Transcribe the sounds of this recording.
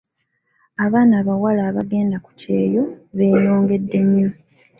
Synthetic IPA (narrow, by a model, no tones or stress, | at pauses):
aβaːnaːβawalaːβaɡe̞ːndaku̥ce̞ːjo̞βe̞ːjoːŋɡe̞dːe̞mjo